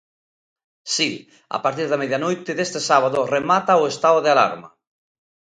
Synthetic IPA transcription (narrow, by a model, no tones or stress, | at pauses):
si | a̰paɾt̪iɾðameðjanojt̪ɪðest̪esaβ̞aðoremat̪aoest̪aoðeala̰ɾma̰